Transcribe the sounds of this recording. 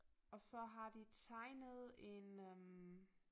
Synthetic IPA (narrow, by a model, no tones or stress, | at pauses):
ɒ̽sɒ̽ɦɑ̈d̥it͡sʰɑ̈ɪnəð̩ˠe̝nm